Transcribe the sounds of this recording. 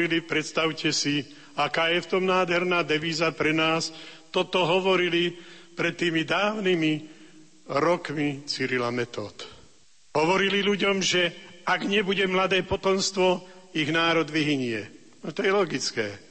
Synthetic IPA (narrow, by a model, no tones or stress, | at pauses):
ilipɾɛt̪st̪aʊcɛsi | akaːjɛft̪ɔmnaːd̪ɦɛɾnaːd̪ɛʋiːzapɾɛnaːst̪ɔt̪ɔɦɔʋɔɾilipɾɛt̪ːiːmid̪aːʊnimi | ɾɔkmit͡siɾilamɛt̪ɔ̰ːt̪ | ɦɔʋɔɾililuɟɔmʒɛaɡɲɛbuɟɛmlad̪ɛːpɔt̪ɔmst̪ʋɔ | iɣnaːɾɔd̪ʋiɦiɲɪɛ | nɔt̪ɔjɛlɔɡit͡skɛː